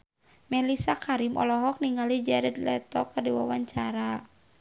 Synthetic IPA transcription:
mɛlisakʰaɾimʔɔ̰lɔɦɔk̚niŋalid͡ʒaɾɛd̪lɛt̪ɔkːərdiwawaɲt͡ʃaɾa

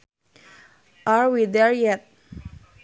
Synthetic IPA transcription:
ʔaɹwid̪ɛɹjɛt̚

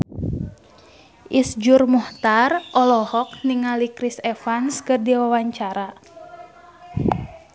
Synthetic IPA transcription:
ʔisd͡ʒurmɔht̪arʔɔlɔhɔk̚niŋalikɾisɛfanskɨrdiwawaɲt͡ʃaɾa

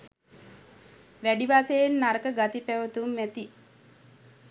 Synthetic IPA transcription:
ʋæɖiʋaːsejenːaɾəkəɡat̪ipæʋət̪umːæt̪i

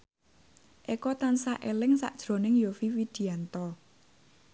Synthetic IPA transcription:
ʔekɔt̪ansaʔelɪŋsa̰ʔd̥ʒ̥ɾo̤nɪŋjofiwid̪̥i̤ant̪ɔ

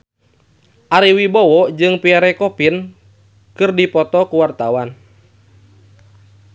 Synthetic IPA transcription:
ʔaɾiwibɔwɔd͡ʒɨŋpiaɾɛkɔpin | kɨrdipɔt̪ɔkuwart̪awan

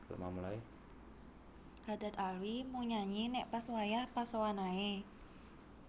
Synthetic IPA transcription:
a̰mamulae | had̪̥a̤t̪alwimuŋɲaɲinɛʔpaswajahpasowanae

